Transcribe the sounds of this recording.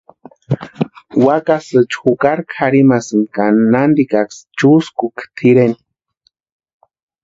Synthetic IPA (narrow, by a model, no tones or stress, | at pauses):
wakasɨt͡ʃxukaɾkʰxaɾimasɨnkannand̪ikakst͡ʃuskukt̪ʰiɾen